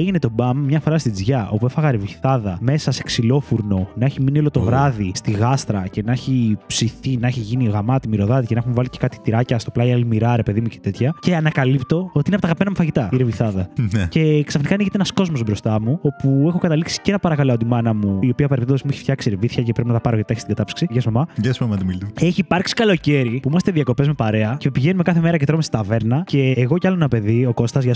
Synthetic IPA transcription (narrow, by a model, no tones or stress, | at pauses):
eʝinet̪o̞bɐmːɲɐfo̞ɾɐst̪id͡zʝɐʔo̞pue̞fɐɣɐɾeviθɐðɐme̞sɐseksilo̞fuɾno̞nɐeçiminio̞lot̪o̞vɾɐðist̪iɣɐst̪ɾɐce̞nɐçipsiθinɐeçiʝiniɣɐmɐt̪imiɾo̞ðɐðicenexumvɐlice̥kɐt̪i̥t̪iɾɐcɐst̪oplɐiɐlimiɾɐɾe̞pe̞ðimucet̪e̞t̪çɐce̞ɐnɐkɐlipt̪o̞ot̪inɐpoɐɣɐpmenɐmufɐʝit̪ɐiɾeviθɐðɐneceksɐfnikɐːniçet̪eenɐsko̞zmo̞zbɾo̞st̪ɐmuo̞puexo̞kɐt̪ɐliksi̥ceenɐpɐɾɐkɐloɐod̪imɐnɐmuiopiɐpɐɾpt̪ðosmueçi̥ft̪çɐksiɾeviθçɐcepɾepinɐt̪ɐpɐɾot̪ɐçstiŋɡɐt̪ɐpsi̥ksiʝɐsmɐmɐʝɐsmɐmɐt̪imilt̪ueçiːpɐɾksi̥kɐlo̞ce̞ɾipuimɐst̪e̞ðiɐko̞pe̞zme̞pɐɾe̞ɐce̞piʝenume̞kɐθe̞me̞ɾɐcet̪ɾomesɐ̥t̪ɐve̞ɾnɐce̞ːɣo̞cɐloenɐpe̞ðio̞ko̞st̪ɐzʝɐ